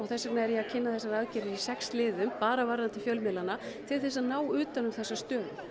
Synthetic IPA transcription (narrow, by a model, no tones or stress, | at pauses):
ɔɣθɛsːaɾnaɛɾɛacʰɪnːaθɛsːaɾaðcɛɾɪɾisɛkslɪːðʏmpaːɾavaɾant̪ɪfjœlmɛlanːat̪ʰɪlθɛs̬aðnaːwʏːt̪anʏmθɛsːast̪œːðʏm